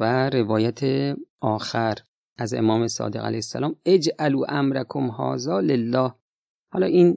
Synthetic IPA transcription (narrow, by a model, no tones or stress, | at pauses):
væɾe̞vɒːjæt̪ʰeʔɒːxæɾ | ʔæzʔe̞̰mɒːmesɒ̰ːd̪e̞ɣæ̰læjhesːaæ̰lɒːmed͡ʒʔæluːʔæmɾækʰomhɒ̰ːzɒːlelːɒːh | hɒlɒːʔiːn